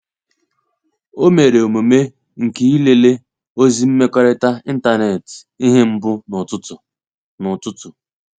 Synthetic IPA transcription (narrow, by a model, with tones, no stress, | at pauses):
o˦me˨ɾe˨o˨mo˨me˦ | ŋ̩˨ki˨i˦le˨le˦ | o˦zi˦m̩˦me˦kʷɔ˦ɾɪ˦ta˦i˦n̩˦ta˦ne˨ti˦ɦe˦m̩˦bʊ˦nʊ˨tʊ˦t | nʊ˨tʊ˦tʊ˨